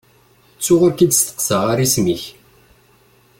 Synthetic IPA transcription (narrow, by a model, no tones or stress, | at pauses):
t͡sːʊʁʊɾkid̪st̪ə̥qsəʁaɾismiç